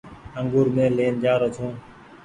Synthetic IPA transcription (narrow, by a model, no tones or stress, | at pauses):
əŋɡuːɾmẽːleːnd͡ʒaːɾət̪ʰõː